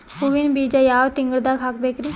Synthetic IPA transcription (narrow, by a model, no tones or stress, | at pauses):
puʋɪnbiːd͡ʒaːjaːʋt̪ɪ̃ŋɡəɽd̪aːkʰakbekɾi